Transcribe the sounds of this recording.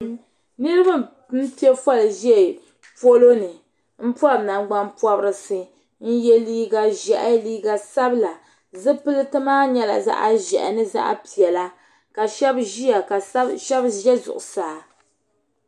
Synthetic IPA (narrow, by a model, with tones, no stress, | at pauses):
nɨ˦ɾɨ˦ba˦ | n̩˦ti˦ɛ˦fɔ˦lʒɛ˦˨ | po˦lo˦nɨ˨ | m̩˦pɔ˦˨na˨ŋɡ͡ba˦npɔ˦bɾɨ˨sɨ˦ | n̩˦jɛ˦liː˦ɡa˦ʒɛ˨ʔa˦liː˦ɡa˦sa˦bla˨ | zɨ˦pɨ˦lɨ˦tɨ˦maː˦ɲɛ˦la̰˨za̰˦ʔa˦ʒɛ̰˨ʔnɨ˦za̰˦ʔa̰˦pi˨ɛ˨la˦ | ka˨ʃɛ˦bʒi˦a˨ka˨˦ʃɛ˦bʒɛ˦zʊ̰˨ʔʊ˨saː˨